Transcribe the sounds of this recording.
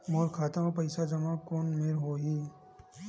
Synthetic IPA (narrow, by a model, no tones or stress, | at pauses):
moːɾkʰaːt̪aõpɐɪsad͡ʒɐmakoːnmeɾɦoːɦiː